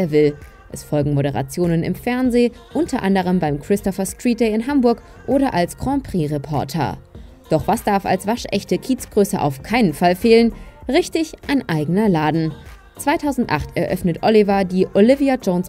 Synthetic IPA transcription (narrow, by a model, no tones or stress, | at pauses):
eːɐvɪl | ʔɛsfɔlɡŋ̩moɾəʁa̰t͡sjoːnənɪ̰mfɛɐnzeː | ʔʊntʰɐʔandəʁ̞əmbaɪmkʁ̥ɪstɔfɐstʁ̥iːt̚d̥ɛɪɪnɦambʊɐk | ʔoːɾɐʔalskʁ̥ɑ̃pʁ̥iːʁɛpʰɔ̰ɐtʰɐ̰ɐ | d̥ɔχv̥asd̥aɐfa̰lsv̥aʃʔɛ̰çtəkʰiːtt͡sɡ̥ʁøːsəʔa̰ʊfkʰaɪnənfalfeːlənʁɪçtɪçʔaɪnʔaɪɡənɐlaːdn̩ | t͡sv̥aɪtʰaʊzn̩tʔa̰χtɛɐʔœfnətʔɔlivadiːʔolɪviad͡ʒoʊns